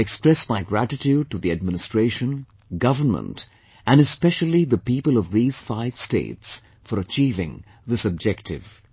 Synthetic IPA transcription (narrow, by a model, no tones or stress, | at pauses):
ɛkspɹɛsmaɪɡɹætɨtʰjud̚ʈɨðiɨd̚mɪnɨstɹ̥eɪʃə̃n | ɡʌvə˞mə̰̃nt | ʔɨ̃nɨspɛʃəl̩ˠiðəpipəlˠʌvðiːz̥faɪv̥stḛɪts | fəɾət͡ʃiːvɪ̰̃ŋ | ðɨsʌb̚d͡ʒɛktʰɪ̰v̥